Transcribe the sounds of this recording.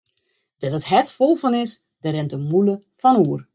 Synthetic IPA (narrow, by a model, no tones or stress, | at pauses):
d̥ɛdətɦɛtfolˠfɔnɪs | dəɾɛntəmulə | fɔnuːər